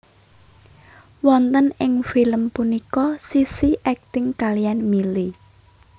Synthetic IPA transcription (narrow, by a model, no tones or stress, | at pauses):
wɔnt̪ənɪŋfiləmpunikɔsisiʔɛk̚t̪ɪŋkalijanmili